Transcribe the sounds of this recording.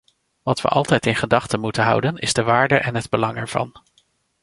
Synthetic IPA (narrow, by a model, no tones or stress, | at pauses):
ʋɑtʋə̰ʔɑlˠtɛjtɪnχədɑχtənmutənɦʌ̰wdənɪzdəʋaːɹdəʔɛnɦədbəlɑŋɛɹv̥ɑ̰n